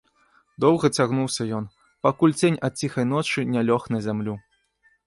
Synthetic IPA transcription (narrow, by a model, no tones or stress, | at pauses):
d̪ɔwɣɐt͡sʲaɣnuwsʲɐjɔn | pakulʲd͡zʲenʲɐt̪̚t͡sʲixɐjnɔt͡ʂɨnʲalʲɔxnɐzʲamlʲu